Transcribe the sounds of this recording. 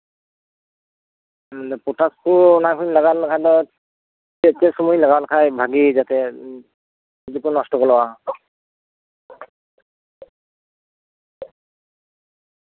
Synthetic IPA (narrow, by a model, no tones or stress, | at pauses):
ɛpɔtaskunajkʰunlaɡalkʰadɔ | ɛtɛsɔmujlaɡalkʰajbʱaɡizat̪ɛ | izukunɔstɔkɔlɔwa